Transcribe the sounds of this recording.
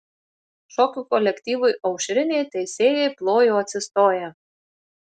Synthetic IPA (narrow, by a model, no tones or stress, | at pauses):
ʃɔkʲukɔlʲɛkt̪ʲiːʋʊjʔɐʊʃʲɾʲɪnʲejt̪ʲɛjsʲeːjɛjplˠoːjoɐt̪ʲsʲɪst̪oːjɛ